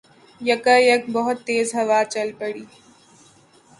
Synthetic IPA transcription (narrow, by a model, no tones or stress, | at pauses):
jɐkəjɐkbəɦʊt̪ːeːzɦɐʋaːt͡ʃɐlpəɽiː